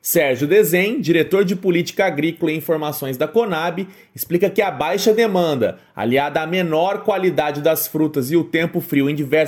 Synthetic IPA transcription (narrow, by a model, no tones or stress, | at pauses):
sɛɾʒjʊd̪ezẽj̃d͡ʒiɾet̪oɾd͡ʒɪpolit͡ʃi̥kɐaɡɾikʊlɐẽĩfoɾmasõj̃zd̪ɐkonabɪ | ɪsplikɐkɪabajʃɐd̪emɐ̃nd̪ɐ̰ | a̰liad̪ɐːmenɔɾkwalid̪ad͡ʒɪd̪ɐsfɾut̪ɐzɪʊt̪ẽmpʊfɾiwẽj̃d͡ʒivɛɾ